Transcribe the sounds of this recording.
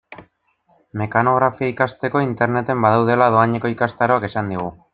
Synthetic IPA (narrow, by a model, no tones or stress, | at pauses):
me̞kano̞ɣ̞ɾafiaikast̪e̞ko̞int̪e̞ɾne̞t̪e̞mbaðawðe̞laðo̞aɲeko̞ikast̪aɾo̞akesand̪iɣ̞u